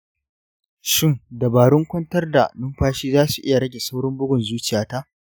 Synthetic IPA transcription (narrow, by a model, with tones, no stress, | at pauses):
ʃɪ˦ŋdɐ˨baː˨ɽʊ˦ŋkʷɐ˦ntɐ˦rda˨nʊ˦mɸaː˦ʃiː˦zaː˦su˨ʔɪ˦ja˨ɽɐ˦ɡʲe˨sa˦wɽʊ˦mbʊ˦ɡʷʊ˨nzuː˦t͡ʃɪ˨jaː˦ta˦ʔ